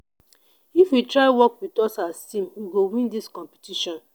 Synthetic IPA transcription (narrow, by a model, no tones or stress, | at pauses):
ifwitɹaɪwɔkwitɔsastĩmwiɡowĩndiskɔ̃mpi̥tiʃɔ̃n